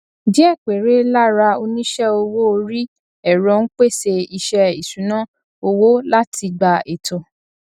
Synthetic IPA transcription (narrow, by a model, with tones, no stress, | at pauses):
di˦ɛ˦˨k͡pe˨ɾe˨˦la˦ɾa˧o˧nĩ˦ʃɛ˦o˧wo˦o˧ɾi˦ | ɛ˨ɾɔ̃˨˧˦n̩˦k͡pe˦˨se˧i˧ʃɛ˧i˨sũ˨˦nã˦ | o˧wo˦la˦tʰi˧ɡ͡ba˧e˨to˨